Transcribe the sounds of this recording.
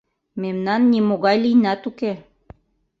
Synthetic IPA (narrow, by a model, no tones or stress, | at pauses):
memnɑnːimoɣɑjlijnɑt̪uke